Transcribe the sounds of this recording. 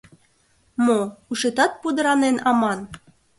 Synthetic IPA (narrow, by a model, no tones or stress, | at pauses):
mouʃet̪ɑt̪̚pud̪ə̆ɾɑnenɑmɑn